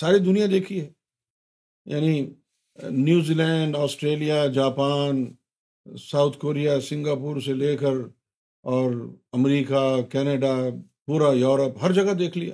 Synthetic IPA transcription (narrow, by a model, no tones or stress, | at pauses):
saːɾid̪ʊnijãd̪eːkʰiɦɛː | ja̰ːni | njuːziːlɛ̃ːɳɖɔːsʈɾeːlijad͡ʒaːpaːn | saːʊt̪ʰkoːɾijasɪ̃ŋɡaːpuːɾseleːkəɾ | ɔːɾɐmɾiːkakɛːneɖa | puːɾajɔːɾəpɦɐɾd͡ʒɐɡad̪eːkʰlia̰